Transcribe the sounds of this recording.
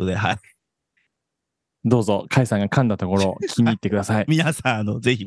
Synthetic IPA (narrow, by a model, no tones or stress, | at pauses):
od̪eɦai | d̪o̞ːzo̞kʰaisãŋɡakãnd̪at̪o̞ko̞ɾo̞kʲʰiɲʲiːt̪ːe̞kɯ̟d̪asaimʲinasãanozeçi